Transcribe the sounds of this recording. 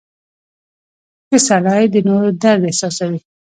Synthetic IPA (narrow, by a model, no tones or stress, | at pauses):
kəsalɑid̪ənoɾd̪aɾd̪ehsɑsawi